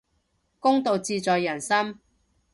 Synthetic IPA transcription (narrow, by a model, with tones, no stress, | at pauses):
kʊ˥ŋt̪o˨˧wt͡siː˧t͡sɔː˨jːɐ˨˩nsɐ˥m